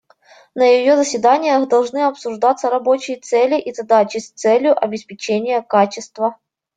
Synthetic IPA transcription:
nəjɪjozəsʲvʲɪd̪anʲɪjəxd̪ɐlˠʐnɨɐpsʊʐd̪at̪səɾɐbo̞t͡ɕɪjət̪sɛlʲɪʔizɐd̪at͡ɕɪsʲt̪sɛlʲjʊʔɐbʲɪspʲɪt͡ɕenʲɪjəkat͡ɕɪst̪və

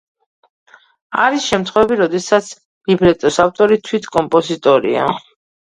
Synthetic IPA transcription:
aɾisʃɛmt̪ʰχwɛvɛbiɾɔd̪ɛsat̪sʰ | libɾɛt̪ʼɔsaft̪ʼɔɾit̪ʰwit̪ʰkʼɔmpʼɔzit̪ʼɔɾḭa̰

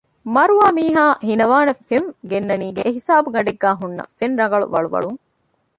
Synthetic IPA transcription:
mɐɾuaːmiːɦaːhinɐʋaːnɐfenɡenːɐniːɡeʔːɦisaːbuɡɐɖeɡːæːɦunːɐ̰fenɾɐɡɐɭṵʋɐ̰ɭṵʋɐ̰ɭuŋ

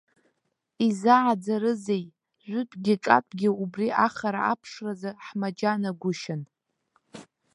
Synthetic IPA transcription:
izaʕad͡zaɾɨzej | ʒʷʊtʼɡʲɪʈ͡ʂʼa̰pʷʼɡʲɪubriʔaχaɾa̰apʰʂrazaħmad͡ʒanaɡʷʊʃɪn

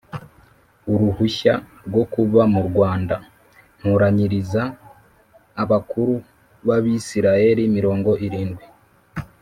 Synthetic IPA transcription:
uɾuhuça̰ | ɾɡwo̞kuβamuɾɡwaːnda | n̥huɾaɲiɾizaː | βakuɾu | βaβisiɾaje̞ɾimiɾo̞ːŋɡo̞ʔiɾiːnɡwi

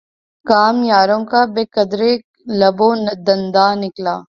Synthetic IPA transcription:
kaːmjaːɾõkabeːkɐd̪ɾe | lɐbõnɐd̪ɐ̃nd̪aːnɪklaː

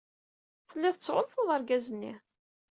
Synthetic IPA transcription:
θəlːiðət͡sːʕʊnfoðˤəɾˤɡæzənːḭ

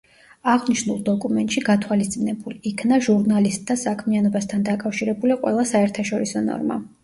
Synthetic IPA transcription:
aʁniʃnulˠd̪ɔkʼumɛnt̪ʼʃiɡat̪ʰwalist̪sʼinɛbuliikʰnaʒuɾnalist̪̚ʼd̪asakʰmianɔbast̪ʰand̪akʼafʃiɾɛbuliqʼwɛ̰lˠasaɛɾt̪ʰaʃɔɾisɔnɔ̰ɾma̰

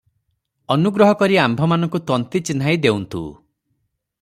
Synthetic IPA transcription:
ɔnuɡɾɔɦɔkɔɾiambʱɔmanɔ̃ŋkut̪ɔnt̪it͡ʃin̤ajd̪ewnt̪ʰṵː

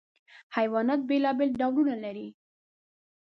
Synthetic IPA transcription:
hajwɑnɑt̪̚belɑbelɖawlunalaɾi

